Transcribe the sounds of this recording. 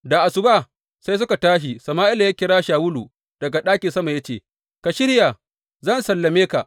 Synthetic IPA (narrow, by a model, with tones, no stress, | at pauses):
da˨ʔa˨sʊ˨ba˦˨ | sa˦js̬ʊ˦ka˨taː˦ʃ̬i˨sɐ˨maː˦ʔɪ˦la˨ja˦kʲɪ˦ɽaː˦ʃaː˨wʊ˦lu˨ | d̥ɐ˨ɡa˨ɗaː˦kʲi˨sɐ˦ma˨ja˦t͡ʃeː˦˨ | ka˨ʃɪ˦ɽja˨ | zɐ˦˨nsɐ˨lːɐ˨meː˦ka˨ʔ